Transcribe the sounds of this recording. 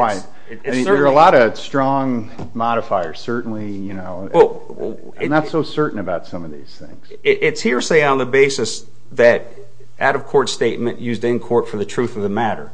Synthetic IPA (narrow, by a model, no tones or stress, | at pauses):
ɹaɪt̚ː | ə˞əlɔɾʌstɹ̥ɔ̃ŋ | mɑɾɨfaɪə̰˞z̥sɜ˞ʔn̩lijɨnoʊwɛl̰ˠ | ɪ̃mnətsoʊsɜ˞ʔn̩ɨbaʊtsʌ̃mʌvðḭz̥θɪ̰̃ŋz̥ɪʔɪtshiɹseɪ̃ŋə̃nðəbeɪsɨs | ðɨɾ | ʔaʊɾʌv̥kʰɔɹtsteɪt̚mɨ̃nʔjʉzdɪ̃nkʰɔɹtfə˞ðɨtʰɹ̥ʉθʌvðɨmæɾə̰˞